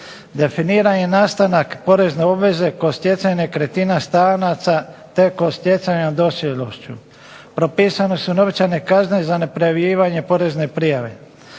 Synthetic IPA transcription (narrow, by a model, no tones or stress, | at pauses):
d̪e̞finiːɾaɲenaːst̪anakpo̞ɾe̞zneo̞bʋe̞ze̞kost̪ʲje̞t͡ʃ̪ajnekɾet̪inast̪aːnat̪sat̪e̞kost̪jesaɲad̪o̞sjeloʃt͡ɕu | pɾo̞piːsanesunobet͡ʃajne̞kaznezane̞pɾejaʋjiːʋaɲe̞po̞ɾe̞zne̞pɾijaʋe̞̰